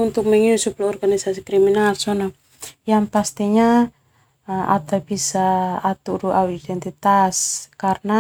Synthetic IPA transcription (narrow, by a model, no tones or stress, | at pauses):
unt̪uk̚mɛŋiusup̚laɔrɡanisasikɾiminalsɔnɔ | jaŋpast̪iɲa | ʔa̰t̪abisaːt̪uɾuʔauidɛnt̪it̪askarna